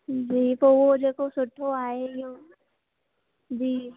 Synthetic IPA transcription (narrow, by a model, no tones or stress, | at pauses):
d͡ʒiːt̪oːʋod͡ʒeːkosʊʈʰːoaːejõ | d͡ʒiː